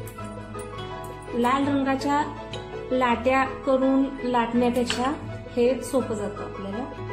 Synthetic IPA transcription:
lalɾəŋɡat͡ɕja | laʈjakəɾuːnlaʈnjat̪at͡ɕʰa | het̪sopəd͡zat̪əaplela

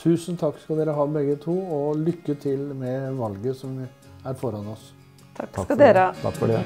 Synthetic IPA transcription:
t̪ʰʉːsnt̪ʰɑkːskɑld̪eːɾəɦɑːbɛɡːət̪ʰuːɔlʏkːət̪ʰɪlmɛʋɑlɡəsɔm | æɾfɔɾɑnɔsʰ | kɑd̪eːɾʰɑ̰kf

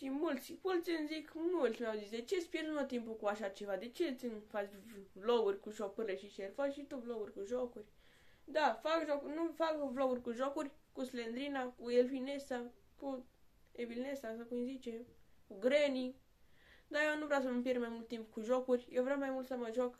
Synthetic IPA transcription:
ʃimult͡sfult͡sinzikmult͡smawzisd̪et͡ʃespjeɾnumot̪impukuaʃat͡ʃevad̪et͡ʃet͡sinfat͡ʃvloɡurʲkuʒok̚pɨɾleʃit͡ʃeɾfakʃit̪ovloɡuɾʲkuʒokuɾʲ | d̪afakʒokunufakvloɡurʲkuʒokurʲkuslend̪ɾinakuelfinesa | kuebilnesasakuinzit͡ʃekuɡɾeniŋ | d̪ajenuvɾas̬əməmpjeɾmajmult̪̚t̪impukuʒokurʲjevɾamajmult̪saməʒok

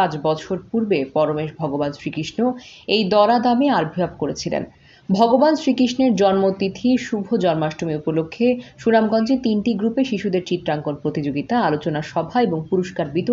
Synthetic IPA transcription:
at͡ɕbɔt͡ɕʰoɾpuɾbepɔɾomeʃbʱɔɡobansɾikiʃnoejd̪ɔɾad̪ameaɾbʱiapkoɾet͡ɕʰilḛn | bʱɔɡobansɾikiʃneɾd͡ʑɔnmot̪it̪ʰiʃubʱod͡ʑɔnmaʃʈomiupolokʰːeʃunamɡɔnd͡ʑet̪inʈiɡɾupeʃiʃud̪eɾt͡ɕit̪ɾaŋkonpɾot̪id͡ʑoɡit̪aalot͡ɕonaɾʃɔbʱaeboŋpuɾoʃkaɾbit̪o

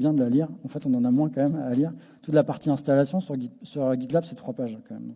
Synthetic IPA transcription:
bjɛ̃d̪əlaliʁɑ̃fɛt̪ɔ̃nɑ̃namwɛ̃kɑ̃mɛmaliʁ | t̪ut̪lapaʁt̪iɛ̃st̪alasjɔ̃syʁɡisyʁɡʲid̪labsɛt̪χwapaʒɛ̃kɑ̃mɛ̰m̃

